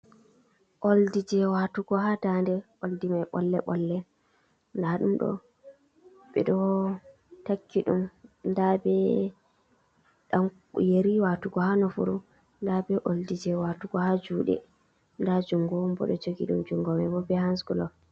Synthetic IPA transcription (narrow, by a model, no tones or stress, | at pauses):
ʔoldid͡ʒɛwatuɡɔɦadandɛʔoldimaɓɔlːɛɓɔlːɛ | ndaɗumɗɔ̰ | ɓɛ̰ɗɔ | takʰːiɗumndabɛ | ɗam | jeɾiwatuɡɔhanɔfṵɾu | ndabɛʔoldid͡ʒɛwatuɡɔhad͡ʒuːɗɛ̰ | ndad͡ʒuŋɡɔmbɔ̰ɗɔd͡ʒoɡiɗumd͡ʒuŋɡɔmɛbɔbɛhansɡulɔ